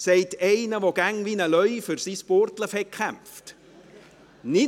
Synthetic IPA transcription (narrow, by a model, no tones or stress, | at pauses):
sɛɪtɛɪnəʋoɡ̥æŋʋiːnəlœʏfʏɾsisportləfɛk̚kʰχæmft | nɪ